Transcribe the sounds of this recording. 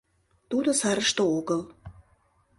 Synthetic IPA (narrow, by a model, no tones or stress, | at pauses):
t̪ud̪osɑɾə̆ʃt̪ooɣɤ̆lˠ